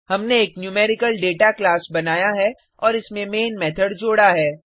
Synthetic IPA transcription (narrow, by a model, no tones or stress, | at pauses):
hɐmneeːknjuːmɛːɾɪkəlɖeːʈaklaːsbɐnaːjaɦɛ | ɔːɾɪsmẽmeːnmɛːt̪ʰəɖd͡ʒoːɽaɦɛː